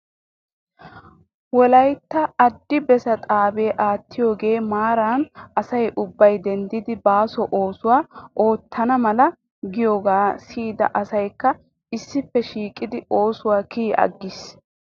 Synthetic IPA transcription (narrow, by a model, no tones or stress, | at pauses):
wɔlɐjt̪ːɐɐd̪ːɪbɛsɐt̪ʼaːbeːʔaːt̪ːɪjo̞ːɡe̞ːmaːɾaːnɐsɐjʔʊbːɐjd̪ɛnd̪ɪd̪ɪbaːsɔʔo̞ːsʊwaːʔo̞ːt̪ʰːɐnɐmɐlɐ | ɡɪjo̞ːɡaːsiːd̪ɐ̰ʔɐsɐjkːɐ | ɪsːɪfːɛʃiːkʼːɪd̪ɪo̞ːsʊwaːkiːʔɐ̰ɡːɪs